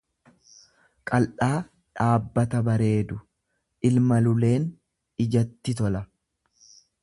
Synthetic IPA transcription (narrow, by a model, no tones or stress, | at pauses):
kʼɐlᶑaː | ᶑaːbːɐt̪ɐbɐɾe̞ːd̪ʊ | ʔɪlmɐlʊle̞ːn | ɪd͡ʒɐt̪ːɪt̪̬ɔlɐ